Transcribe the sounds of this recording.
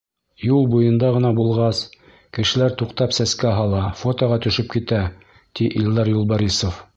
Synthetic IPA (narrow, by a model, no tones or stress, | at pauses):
julˠbujɤ̆nd̪ɑʁɤ̆nɑbulˠʁɑs | kɘ̆ʃɘ̆læɾt̪uqt̪ɑpsæskæɦɑlˠɑfot̪ŏʁɑt̪ɵ̆ʃɵp̚kit̪æ | t̪iʔild̪ɑɾjulˠbɑɾʲisof